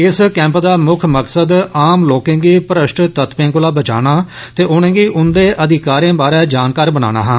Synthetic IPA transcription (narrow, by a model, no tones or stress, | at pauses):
ɪskɛ̃ːmpd̪aːmʊkʰməksəd̪aːmloːkẽːɡiːpəɾəʃʈt̪ət̪pẽːkʊlaːbət͡ʃa̰ːnaː | t̪eːʔʊːnẽːɡiːʔʊnd̪eːʔəd̪ɪkaːɾẽːbaːɾɛːd͡ʒaːnkaːɾbəna̰ːna̰ːɦãː